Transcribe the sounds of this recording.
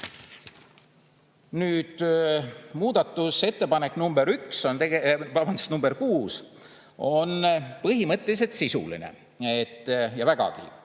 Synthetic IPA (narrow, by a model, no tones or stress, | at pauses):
nyːd̪̥ | muːd̪̥ɑt̪ːˑuse̞t̪ːepɑne̞kːnumb̥eɾykso̞nt̪eevɑbɑnd̪̥u̥st̪numb̥e̞ɾkuːs | o̞npɤɦimɤt̪ʲːˑelis̬e̞lt̪sisṵlḭne̞̰ | et̪ːˑjɑvæɡ̥ɑ̰kḭ